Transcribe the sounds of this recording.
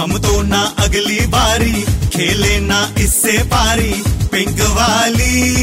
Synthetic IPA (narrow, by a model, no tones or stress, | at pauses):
əmt̪oːnãːʔəɡliːbaːɾiːkʰeːleːnaːʔɪsːeːpaːɾiːpɪ̃ŋɡʋaːliː